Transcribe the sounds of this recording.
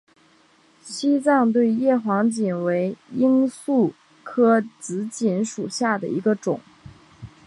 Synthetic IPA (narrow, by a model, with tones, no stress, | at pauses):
ɕi˥t͡sɑ˥˧ŋt̪̬we˥˧ɪjɛ˥˩xwɑ˧˥ŋt͡ɕi˨˩nwe˧˥ɪi˥ŋsu˥˩ | kʰɤ˥t͡sɹ̩˧˥t͡ɕi˧˥nʂu˨˩ɕja˥˩d̪ə̰˩i˧˥ɡə˧ʈ͡ʂʊ˨˩˦ŋ